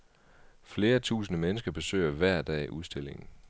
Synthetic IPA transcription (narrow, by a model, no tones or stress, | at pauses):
fle̝ːɐt͡sʰṵːsn̩əmenəsɡ̥ɐb̥e̝sø̰ːɪɐʋæɐ̰d̥ɛ̰ːʔuð̞ˠsd̥e̝l̰e̝ŋn̩